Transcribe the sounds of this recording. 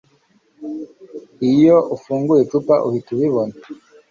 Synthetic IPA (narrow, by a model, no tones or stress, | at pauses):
ijoʔufuːŋɡujet͡ʃupa̰ʔuhituβiβona